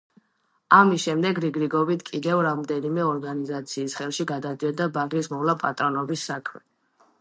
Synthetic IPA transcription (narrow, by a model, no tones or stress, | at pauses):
amisʃɛmd̪ɛɡɾiɡɾiɡɔbit̪ʰkʼid̪ɛvɾamd̪ɛnimɛɔɾɡanizat̪sʰiːsχɛlˠʃiɡad̪ad̪iɔd̪abaɡismɔvlapʼat̪ʼɾɔnɔbisːakʰmɛ̰